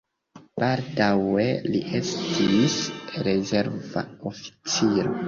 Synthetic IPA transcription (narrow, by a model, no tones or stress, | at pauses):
b̥aldawe̞liʔe̞stʰisɾe̞ze̞ɾva̰ofi̥t͡siɾo̰